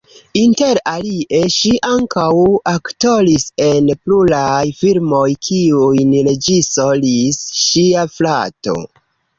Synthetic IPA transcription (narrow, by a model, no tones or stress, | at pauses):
inte̞ɾaliʔe̞ʃiʔaŋkawakto̞lise̞npluɾajfilmo̞jkʰiujnɾe̞d͡ʒisolisʃiaflato̞̰